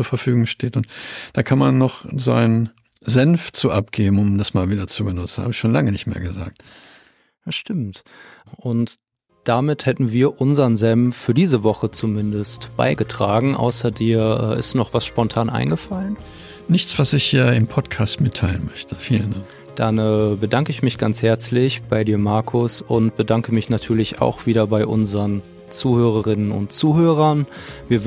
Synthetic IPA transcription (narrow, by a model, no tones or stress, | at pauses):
t͡suːɐfɛɐfyːɡʊŋʃteːtʊntd̥aːkʰanmanːɔχza̰ɪn | zɛnft͡suːʔap̚ɡ̥eːbm̩ʊmdasmaːlviːdɐt͡subənʊt͡sn̩ha̰ːbəɪçʃoːnlaŋənɪçtmḛːɐɡəza̰ːk̚t | aʃtɪmt | ʔʊnt | d̥amɪthɛtn̩viːɐʔʊnzɐənzɛmffyːɐdiːzəvɔχət͡sumɪndəstb̥a̰ɪɡətʁ̥aːɡŋ̩ʔa̰ʊsɐdiːɐʔɛ̰ːʔɪ̰stnɔχv̥asʃpɔntʰaːnʔa̰ɪnɡəfalən | nɪçt͡sv̥asɪçɛɐɪmpʰɔtkʰaːstmɪtʰaɪlənmœçtʰəfiːləndaŋ | d̥anəːbədaŋkəɪçmɪçɡ̥ant͡shɛɐt͡slɪçb̥aɪdiːɐmaɐkʰʊsʊnt̚b̥ədaŋkəmɪçnatʰyːɐlɪça̰ʊxv̥iːɾɐbaɪʔʊnzəʁən | t͡suːhøːʁ̞əʁɪnənʊ̰ntt͡suːhøːʁ̞ɐnviːɐ